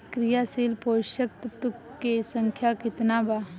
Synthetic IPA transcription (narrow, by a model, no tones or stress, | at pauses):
kɾɪjaːsiːlpoːʃəkt̪t̪ʊkːesə̃ŋkʰjakɪt̪nabaː